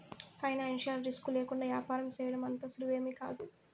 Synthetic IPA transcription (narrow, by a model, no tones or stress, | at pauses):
pʰɐjnaːnʂijɐlɾiskuleːkuɳɖaːʋjaːpaːɾɐmt͡ʃɛːjɐɽɐmɐnt̪ɐsuluʋeːmika̰ːd̪u